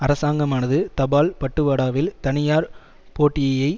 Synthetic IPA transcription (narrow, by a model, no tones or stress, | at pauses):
ɐɾɐsaːŋɡɐmaːnɐðɯt̪ɐbaːlpɐʈːɯʋaːɽaːʋɪlt̪ɐnɪjaːɾ | poːʈːɪjɐjɐɪ